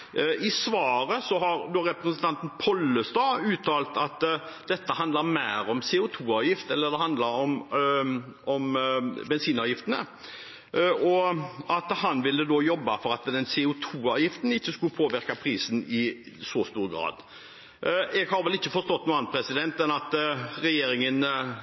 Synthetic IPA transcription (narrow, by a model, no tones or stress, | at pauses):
ʔɪsʋɑːɾəsɔɦɑɾd̪oːɾɛpɾəsən̩t̪ʰɑnt̪ən̩pʰɔlːəst̪ɑːʉːt̪ʰɑːlt̪ɑt̪ | d̪ɛt̪ːəhɑnd̪ləɾmæɪɾɔmsɛːʊt̪ʰuːɑːʋjɪft̪ɛlːəd̪ɛhɑnd̪lɑɾɔm | ɔmbɛnsiːnɑːʋjɪft̪ənə̰ | ɔʔɑt̪hɑnʋɪlːəd̪oːjɔbːɑfɔɾɑt̪d̪ɛnsɛʊt̪ʰuːɑːʋjɪft̪n̩ɪçːəskʉpʰoːʋɪɾkɑpʰɾiːsənɪ | sɔst̪uːɾɡɾɑ̰ːd̪ | ɛɡhɑɾʋɛlɪçːəfɔɾst̪ɔt̪nuːɑnpʰɾɛsɪd̪ɛnt̪ɛnɑt̪ɾɛjeːɾɪŋən